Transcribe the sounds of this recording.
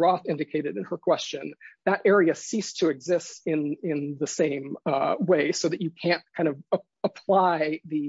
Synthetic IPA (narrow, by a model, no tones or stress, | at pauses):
ɹɔθɪ̃ndɨkʰeɪɾɨɾɨ̃nə˞kʰw̥ɛst͡ʃɨ̃nðɨɾʔɛɹiɨsistʰɨɨɡzɪstɪ̃nɪ̃nðɨsẽɪ̃mweɪsoʊðɨt͡ʃɨkʰæ̃nt̚kʰãɪ̃ndʌvə | əpʰl̥aɪðɨ